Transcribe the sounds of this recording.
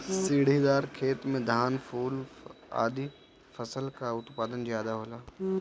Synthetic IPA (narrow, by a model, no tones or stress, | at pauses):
siːɽ̤iːd̪aːɾkʰeːt̪mẽd̪ʱaːnfuːla̰ːd̪ʱi | fɐsəlkaʊt̪paːd̪ənd͡ʑiaːd̪aɦoːlaː